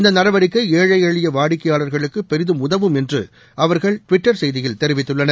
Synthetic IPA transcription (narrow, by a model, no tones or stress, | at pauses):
ɪnd̪ɐnɐɾɐʋɐɾɪkːɐeːɻɐɪeːɻɪjɐʋaːɽɪkːɐjaːɭɐɾɣɐɭɯkːɯpɛɾɪðɯmʊðɐʋɯmɛndrɯ̰ | ʔɐʋɐɾɣɐɭʈʊʋɪʈːɐɾsɛjðɪjɪlt̪ɛɾɪʋɪt̪ːɯɭːɐnɐ